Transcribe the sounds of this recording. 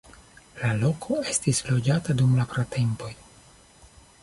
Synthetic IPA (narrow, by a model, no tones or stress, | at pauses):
lalo̞kʰo̞e̞stislo̞d͡ʒatadumlapɾatʰe̞mpo̞j